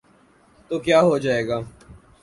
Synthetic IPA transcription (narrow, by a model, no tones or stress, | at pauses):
t̪oːkjaːɦoːd͡ʒaːeːɡaː